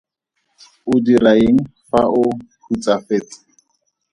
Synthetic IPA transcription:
ʊdiraeŋ̩faʔʊhut͡sʼafeːt͡sʼɪ̥

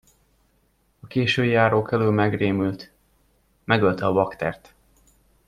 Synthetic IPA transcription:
ɒkeːʃøːjaːɾoːkɛlylmɛɡreːmylt̪ | mɛɡølt̪ɛɒvɒkt̪ɛ̰rt̪

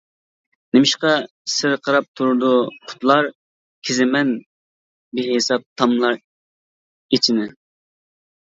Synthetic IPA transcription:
nɪmɪʃqɑ | sɪɾqʰɑɾɑp̚t̪ʰuɾʊd̪ʊqʰʊ̥t̪lˠɑɾ | kʲʰezɪmɛn | biɦɪsɑp̚t̪ʰɑmlˠɑɾ | et͡ʃʰinɪ

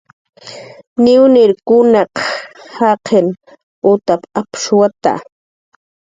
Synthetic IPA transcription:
nɪwnɪɾkʊnɑqhɑqʰen | ʊt̪apapʃwat̪a̰

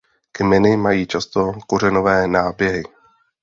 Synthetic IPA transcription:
kmɛnɪmajiːt͡ʃast̪o̞kurɛno̞vɛːnaːbjɛɦɪ

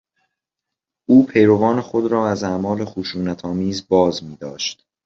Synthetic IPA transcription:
ʔuːpʰe̞jɾo̞vɒːnexo̞d̪ɾɒːæzæmɒːle̞xuʃuːnæt̪ʰɒːmiːzbɒːzmiːd̪ɒːʃt̪

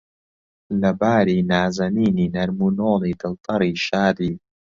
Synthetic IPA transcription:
lɐbaːɾiːnaːzɐniːniːnɐɾmunoːliːd̪ɨlt̪ɑɾiːʃaːd̪iː

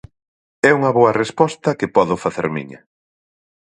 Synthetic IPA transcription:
ɛuŋɐβoɐrespɔst̪ɐkɪpɔðʊfaθḛɾmḭɲɐ

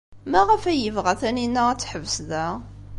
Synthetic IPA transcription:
mæʁəfæjəvʁæθæninːaʁæt͡sːħəvsðæ

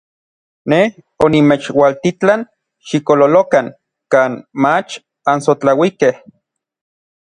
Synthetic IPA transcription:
neh | onimet͡ʃwalt̪it͡ɬan | ʃikololokaŋ | kaːnmat͡ʃ | ansot͡ɬawikeh

